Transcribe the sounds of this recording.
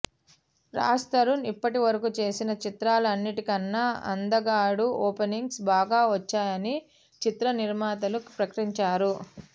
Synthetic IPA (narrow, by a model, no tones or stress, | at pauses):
ɾa̰ːst̪ɐɾunipːɐʈiʋɐɾɐkut͡ʃe̞ːsinɐt͡ʃit̪ɾaːlɐɐnːiʈikɐnːaɐ̰nd̪ɐɡaːɽuɔːpeniŋɡsbaːɡaːʋɐt͡ʃːaːjɐni | t͡ʃit̪ɾɐniɾmaːt̪ɐlupɾɐkɐʈiɲt͡ʃaːɾu